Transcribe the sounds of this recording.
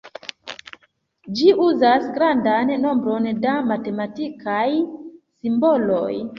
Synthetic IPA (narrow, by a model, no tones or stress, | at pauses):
d͡ʒiʔuzasɡɾandanːo̞mbɾo̞ndamate̞matikajsimbo̞lo̞̰j